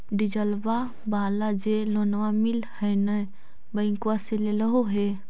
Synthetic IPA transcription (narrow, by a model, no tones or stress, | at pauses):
ɖid͡ʒəlba | baːlad͡ʒelonʋamilhəjnə | bəɪ̃ŋkuaseleləɦoɦe